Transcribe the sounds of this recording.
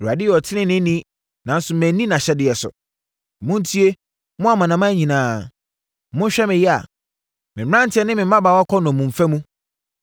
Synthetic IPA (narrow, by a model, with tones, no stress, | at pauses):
ɾu˨a˨dɪ˦jɛ˨ɔ˨tʰɪ˦nɪ̃˦nɪ̃˦nĩ˦ | nã˨˦n̩˦sʊ˨mɛ̃˨˦nĩ˦nã˨ɕɛ˦dɪ˨ɛ˨sʊ̰˨ | mʊ̃˦n˦tʰi˦e˦ | mʊ̃˦a˨mã˨nã˨mã˦ɲĩ˨nãː˨˦ | mʊ̃˦n̩˦ɕᶣɛ˦mɪ̃˨jɛ˦a̰˨ | mɪ̃˨˦ɾã˦n̩˨tʰɪ˦ɛ˦nɪ̃˦mɪ̃˨˦ã˦ba˨wɔ˦kʰɔ˦nʊ̃˨mũ˨m˨fæ˦mũ˦